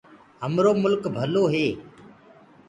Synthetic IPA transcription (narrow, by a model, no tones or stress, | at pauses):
ɦəmɾoːmʊlkbʱəloːɦeː